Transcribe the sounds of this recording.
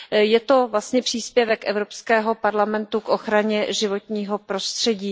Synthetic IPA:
jɛt̪o̞vlast̪ɲɛpr̝̥iːspjɛvɛkʔɛvɾo̞pskɛːɦo̞paɾlamɛnt̪ukʔo̞xɾaɲɛʒɪvo̞t̪ɲiːɦo̞pɾo̞st̪r̝̥ɛɟiː

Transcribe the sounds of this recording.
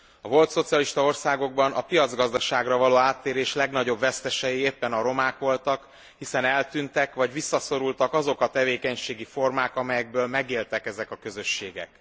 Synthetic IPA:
ɒvo̞lt̪so̞t̪sijɒliʃt̪ɒo̞rsaːɡo̞ɡ̚bɒnʔɒpijɒd̪zɡɒzd̪ɒʃaːɡrɒvɒloːaːt̪ːeːɾeːʃlɛɡnɒɟo̞bvɛst̪ɛʃɛjieːpːɛnɒɾo̞maːkʋo̞lt̪ɒk | hisɛnɛlt̪ynt̪ɛkʋɒɟʋisːɒso̞ɾult̪ɒkɒzo̞kɒt̪ɛveːkɛɲʃeːɡifo̞rmaːkɒmɛjɛɡ̚bøːlmɛɡeːlt̪ɛkɛzɛkɒkø̞zø̞ʃːeːɡɛ̰k

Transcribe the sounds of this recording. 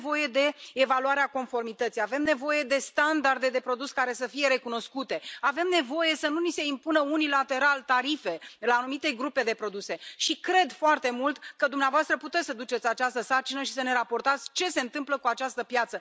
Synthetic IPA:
vo̞je̞d̪e̞ːvaluaɾeako̞nfo̞rmit̪ət̪sijave̞mne̞vo̞je̞d̪e̞st̪and̪ard̪e̞d̪e̞pɾo̞d̪uskaɾe̞səfije̞ɾe̞kuno̞skut̪e̞ave̞mne̞vo̞je̞sənunise̞impunəunilat̪e̞ɾalt̪aɾife̞laːnumit̪e̞ɡɾupe̞d̪e̞pɾo̞d̪use̞ʃikɾe̞d̪foart̪e̞mult̪kəd̪umneavoast̪ɾəput̪essəd̪ut͡ʃe̞t̪sʲat͡ʃast̪əsart͡ʃinəʃisəne̞ɾapo̞rt̪at̪sʲt͡ʃe̞se̞ɨnt̪ɨmpləkuat͡ʃast̪əpjat̪sə

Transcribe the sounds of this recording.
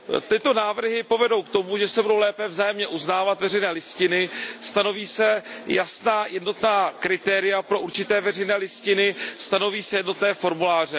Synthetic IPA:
t̪ɪt̪o̞naːvr̩ɦɪpo̞vɛdo̞wkt̪o̞muʒɛsɛbudo̞wlɛːpɛvzaːjɛmɲɛʔuznaːvat̪vɛrɛjnɛːlɪscɪnɪst̪ano̞viːsɛjasnaːjɛdno̞t̪naːkɾɪt̪ɛːɾɪjapɾo̞ʔuɾt͡ʃɪt̪ɛːvɛr̝ɛjnɛːlɪscɪnɪst̪ano̞viːsɛjɛdno̞t̪nɛːfo̞ɾmulaːr̝ɛ

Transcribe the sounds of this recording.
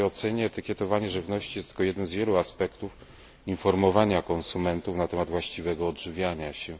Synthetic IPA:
ɔt̪sɛɲɛːt̪ɘkʲjɛt̪ɔvaɲɛʐɘvnɔɕt͡ɕijɛst̪lkɔjɛd̪nɛmzvʲjɛluaspɛkt̪uf | infɔɾmɔvaɲakɔnsumɛnt̪ufnat̪ɛmad̪vwaɕt͡ɕivɛɡɔːdʐɘvʲjaɲaɕɛ

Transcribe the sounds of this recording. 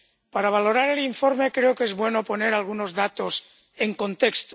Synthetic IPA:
paɾaβ̞alo̞ɾaɾe̞liɱfoɾmekɾeokezβwe̞nopo̞ne̞ɾalɣ̞uno̞zðat̪os | eŋkont̪ekst̪

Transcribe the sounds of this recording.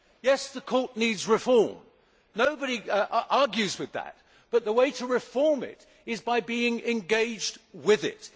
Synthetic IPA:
jɛsðəkʰɔɹtⁿnidzɹɨfɔɹm | noʊbɨɾiʔɑɹɡjʉzwɨðə̰t̚ | b̥ʌt̪̚ðəweɪɾəɹɨfɔɹmɪ̰ɾ | ɨzbaɪbiɪ̃ŋɨ̃nɡeɪd͡ʒdwɪðɪ̰t̚

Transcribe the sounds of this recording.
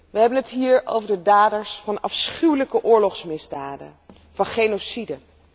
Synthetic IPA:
ʋəɦɛbənɦətɦiːɹo̰wvəɹdədaːdəɹsfɑnɑfsχywləkəʔʊːɹlɔχsmɪzdaːdə̰ | vɑnχenosidə

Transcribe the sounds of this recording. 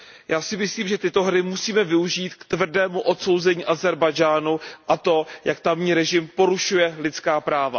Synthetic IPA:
jaːsɪmɪsliːmʒɛt̪ɪt̪o̞ɦɾɪmusiːmɛvɪuʒiːt̪kt̪vr̩dɛːmuʔo̞t̪so̞wzɛɲiːʔazɛɾbajd͡ʒaːnuʔat̪o̞jakt̪amɲiːɾɛʒɪmpo̞ɾuʃujɛlɪt̪t͡skaːpɾaːva

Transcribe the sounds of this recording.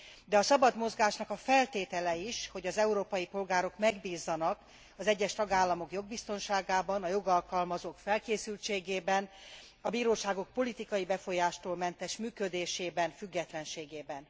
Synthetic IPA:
d̪ɛɒsɒbɒd̪mo̞zɡaːʃnɒkɒfɛlt̪eːt̪ɛlɛiʃho̞ɟɒzɛuɾoːpɒjipo̞lɡaːɾo̞kmɛɡbiːzːɒnɒk | ɒzɛɟːɛʃt̪ɒɡaːlːɒmo̞kjo̞ɡ̚bist̪o̞nʃaːɡaːbɒnɒjo̞ɡɒlkɒlmɒzoːkfɛlkeːsylt͡ʃeːɡeːbɛn | ɒbiːɾoːʃaːɡo̞k̚po̞lit̪ikɒjibɛfo̞jaːʃt̪oːlmɛnt̪ɛʃmyːkød̪eːʃeːbɛnfyɡːɛt̪lɛnʃeːɡeːbɛn

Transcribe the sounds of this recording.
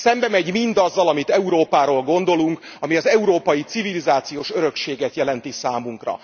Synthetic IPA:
sɛmbɛmɛɟmind̪ɒzːɒlɒmit̪ɛuɾoːpaːɾoːlɡo̞nd̪o̞luŋkɒmiɒzɛuɾoːpɒjit̪sivilizaːt̪sijoːʃøɾø̞kʃeːɡɛt̪jɛlɛnt̪isaːmuŋkrɒ̰

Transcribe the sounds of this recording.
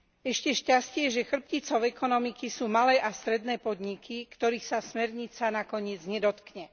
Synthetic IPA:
ɛʃcɛʃcascɪɛʒɛxr̩p̚cit͡sɔʊɛkɔnɔmikisuːmalɛːʔast̪ɾɛd̪nɛːpɔd̪ɲikʰikt̪ɔɾiːxsasmɛɾɲit͡sanakɔɲɪɛd͡zɲɛd̪ɔt̪kɲɛ

